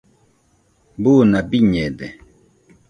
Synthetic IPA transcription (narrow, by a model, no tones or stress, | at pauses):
bunabiɲɛdɛ